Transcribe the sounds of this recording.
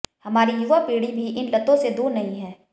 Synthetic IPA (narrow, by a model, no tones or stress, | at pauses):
hɐmaːɾijuʋapiːɽibʱiʔɪnlɐt̪õsed̪oːnɐɦĩɦɛː